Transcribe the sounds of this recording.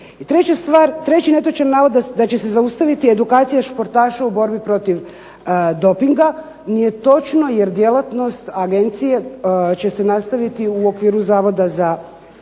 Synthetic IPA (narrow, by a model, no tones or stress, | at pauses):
it̪ɾe̞t͡ɕast̪ʋaːɾt̪ɾe̞t͡ɕine̞t̪ot͡ʃanːaːʋod̪ad̪at͡ɕe̞se̞zaust̪aʋit̪ie̞d̪ukaːt̪sijaʃpo̞ɾt̪aːʃaubo̞ɾbipɾo̞t̪iʋ | d̪o̞piŋɡa | nije̞t̪o̞t͡ʃno̞je̞ɾd̪jelat̪no̞st̪aɡe̞nt̪sije̞t͡ɕe̞se̞nast̪aʋit̪iuo̞kʋiːɾuzaːʋo̞d̪aza